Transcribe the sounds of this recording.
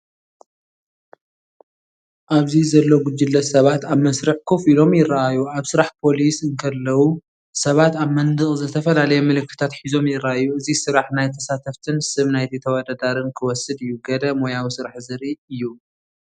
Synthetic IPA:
ʔaβzizɐlːo̞ɡud͡ʒːɪlːɐsɐβat̪aβmɐsɾɨħkʰo̞filo̞mjɪrːaajuaβsɨɾaħpʰo̞lisɨŋkʰɐlːɐwu | sɐβat̪aβmɐnd̪ɨχʼzɨt̪ʰɐfɐlalɐjɛmɨlɨkːɨ̥t̪ʰat̪ħizo̞mjɪrːaajːuɨzisɨɾaħnajt̪ʰɐsat̪ʰɐft̪ʰɨnsɨβnajt̪ʰit̪ʰɐwɔd̪ad̪aɾɨnkʰɨwɔsɨd̪ɨjːuɡɐd̪ɐmojawisɨɾaħzɨɾiɨjːu

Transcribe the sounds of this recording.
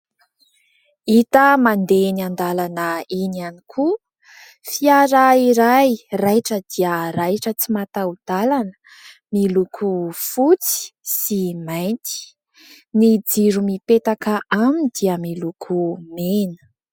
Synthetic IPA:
it̪əmand̪eniand̪alanəinianikʰu | fiaɾaiɾajrajʈ͡ʂəd̪̥iəɾajʈ͡ʂət͡simat̪awud̪̥alanə̥ | milukʰufut͡si̥simajnt̪i̥ | nid͡ziɾumipet̪akəʔamind̪̥iəmilukʰumenə̥

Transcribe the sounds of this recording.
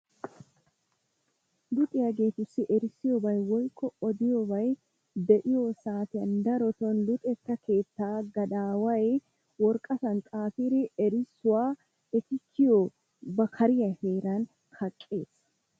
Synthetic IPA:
lʊt̪ʼɪjɐɡe̞ːt̪ʊsːɪʔɛɾɪsːɪjɔbɐjwɔjkʰːɔɔd̪ɪjobɐj | d̪ɛʔɪjosaːt̪ɪjɐnd̪ɐɾɔt̪ɔnlʊt̪ʼɛkːɐkʰe̞ːt̪ːaːɡɐd̪aːwɐj | wɔɾkʼɐsɐnt̪ʼaːfɪɾɪɛɾɪsːʊwaː | ɛt̪ɪkːɪjo | bɐkʰɐɾɪjɐheːɾɐn | kɐkʼːe̞ːs

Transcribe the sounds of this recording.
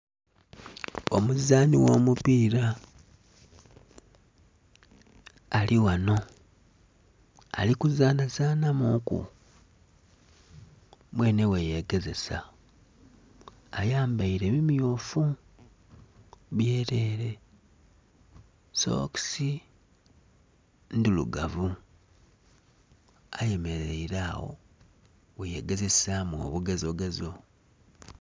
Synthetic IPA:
o̞̰muzaːniwo̞̰ːmupiːɾa | lʔiwano̞ | a̰likuzaːnazaːnamukṵ | mwe̞ːne̞weje̞ɡe̞ze̞sa̰ | ajaːmbaiɾe̞βimijo̞ːfu | βje̞ːɾe̞ːɾe̞ | so̞̰ksi | ndilṵɡavu | aje̞me̞ɾeiɾaːwo̰ | weje̞ɡeze̞samo̰βuɡezoɡezo

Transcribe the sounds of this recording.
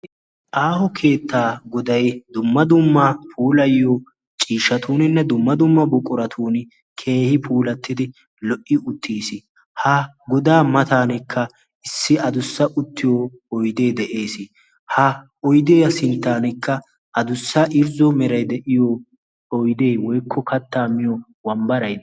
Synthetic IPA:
ʔaːhɔkʰe̞ːt̪ːaːɡɔd̪ɐjd̪ʊmːɐd̪ʊmːɐpʰuːlɐjɪjɔ | t͡ʃʼiːʃɐt̪ʰuːnɪnːɛd̪ʊmːɐd̪ʊmːɐbɔkʼːʊɾɐt̪ʰuːnɪ | kʰe̞ːhɪpʰuːlɐt̪ːɪd̪ɪ | lɔʔɪʊt̪ʰːiːsɪ | hɐ | ɡɔd̪aːmɐt̪aːnɪkʰːɐ | ɪsːɪɐd̪ʊsːɐʔʊt̪ʰːɪjɔ | ɔjd̪e̞ːd̪ɛʔe̞ːsɪ | hɐ | ɔjd̪eːjɐsɪnt̪ːaːnɛkːɐ | ʔɐd̪ʊsːɐʔɪɾzɔmɛɾɐjd̪ɛʔɪjɔ | ɔjd̪eːwɔjkʰːɔkɐt̪ːaːmɪjɔ | wɐmbɐɾɐjd̪

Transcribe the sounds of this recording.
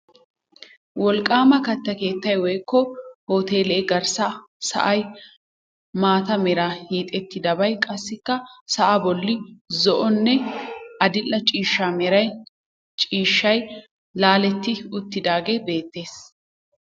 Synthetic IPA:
wɔlkʼːaːmɐkɐt̪ːɐke̞ːt̪ːɐjwɔjkːɔhoːt̪e̞ːlɛɛɡɐɾsa | sɐ̰ʔɐj | maːt̪ɐmɛɾahiːt̪ʼɛt̪ːɪd̪ɐbɐjkʼɐsːɪkːɐsɐʔɐbɔlːɪzɔʔɔnːɛɐd̪ɪlːɐt͡ʃʼiːʃːamɛɾɐj | t͡ʃʼiːʃːɐj | laːlɛt̪ːɪʊt̪ːɪd̪aːɡe̞ːbe̞ːt̪ːe̞ːs

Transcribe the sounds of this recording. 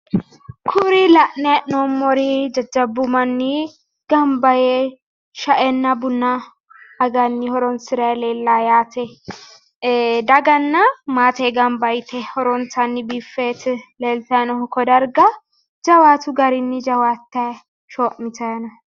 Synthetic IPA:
kʰʊɾilɐʔnɛnomːɔɾɪd͡ʒɐd͡ʒːɐbːʊmɐnːɪ | ɡ̥ɐmbɐjɛ | ʃɐʔɛnːɐbʊnːɐː | ɡɐnːɪhɔɾɔnsɪɾɐleːlːajaːt̪ɛ | d̪ɐɡɐnːɐmaːt̪ɛɡɐmbɐjt̪ʰɛhɔɾɔntɐnːɪbifːet̪leːlt̪ɐnɔhʊkɔd̪ɐɾɡɐ | d͡ʒɐwaːt̪ʊɡɐɾɪnːɪd͡ʒɐwaːt̪ːɐ | ʃoːʔmɪt̪ɐjnɐ

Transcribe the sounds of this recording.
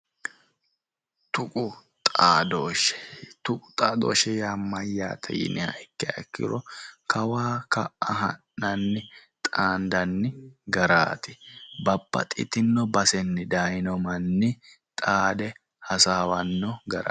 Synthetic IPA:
t̪ʊkʼʊ | t̪ʼaːd̪oːʃɛ̥t̪ʊkʼʊ̥t̪ʼaːd̪o̰ːʃɛjamːɐjːa̰ːt̪ʰɛ̰jɪ̰nɪhɐ̰jkːɛɐɛkːɪ̰ɾɔkʰɐwaːkɐɐɦɐ̰nːɐnːɪt̪ʼaːnd̪ɐnːɪɡɐɾa̰ːt̪ɪbɐbːɐ̰t̪ʼɪ̰t̪ɪnːɔbɐsɛnːɪd̪ajnɔmɐnːɪ | t̪ʼaːd̪ɛ | hɐsaːwɐnːɔɡɐɾa̰

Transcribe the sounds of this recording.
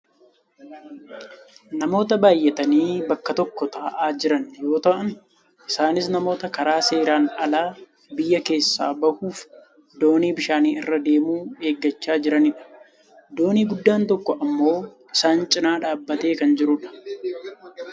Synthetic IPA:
nɐmo̞ːt̪ɐbaːjːɛt̪ɐniːbɐkːɐt̪ɔkːɔt̪ʰaːʔaːd͡ʒɪɾɐnjo̞ːt̪ɐʔɐn | ʔɪsaːnɪsnɐmo̞ːt̪ɐkɐɾaːse̞ːɾaːnɐlaː | bɪjːɐke̞ːsːa̰ːbɐhuːf | d̪o̞ːniːbɪʃaːniːɪrːɐd̪e̞ːmuːe̞ːɡːɐt͡ʃːaːd͡ʒɪɾɐnɪᶑɐ̥ | d̪o̞ːniːɡʊd̪ːaːnt̪ɔkːɔʔɐmːo̞ːʔɪsaːnt͡ʃʼɪnaːᶑaːbːɐt̪e̞ːkɐnd͡ʒɪɾʊᶑɐ̥

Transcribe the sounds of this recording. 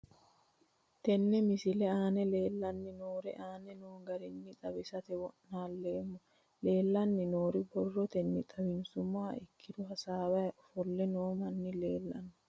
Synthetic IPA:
t̪ɛnːɛmɪsɪlɛaːnɛleːlːɐnːɪnoːɾɛʔaːnɛnoːŋɡɐɾɛnːɪt̪ʼɐbɛsɐt̪ɛwɔnaːlːeːmːɔ | le̞ːlːɐnːɪnoːɾɪbɔrːɔt̪ɛnːɪt̪ʼɐwɪnsʊmaːɪkʰːɪd̪ʊɦɐsaːwɐfɔlːɛnoːmɐnːɪleːlːɐ̰nːʊ

